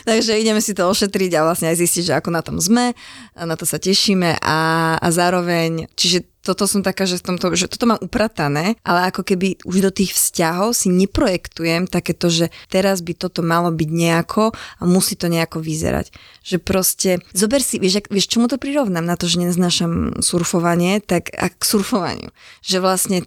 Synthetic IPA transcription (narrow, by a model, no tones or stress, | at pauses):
t̪aɡʒɛiɟɛmɛsit̪ɔɔʃɛt̪ɾiɟaʋlasɲɛajzisciɟʒɛakɔnat̪ɔmzmɛnat̪ɔsacɛʃimɛʔaa̰zaːɾɔʋɛɲt͡ʃiʒɛt̪ɔt̪ɔsɔmt̪akaːʒɛft̪ɔmt̪ɔʒɛt̪ɔ̥t̪ɔmaːmʔupɾat̪anɛːʔalɛakɔkɛbiuʒd̪ɔt̪iːxfscaɦɔʊsiɲɛpɾɔjɛkt̪ujɛmt̪akɛːt̪ɔʒɛt̪ɛɾazbit̪ɔt̪ɔmalɔbiɟɲɛakʰɔamusiːt̪ɔɲɛakɔʋizɛ̰ɾa̰cʒ̥ɛpɾɔscɛzɔbɛɾsiʋɪɛʒakʋɪɛʃt͡ʃɔmut̪ɔpɾiɾɔʊnaːmnat̪ɔʒɛɲɛnaznaːʃamsuɾfɔʋaɲɪɛt̪aka̰ksuɾfɔʋa̰ɲɪ̰ṵʒɛʋlasɲɛ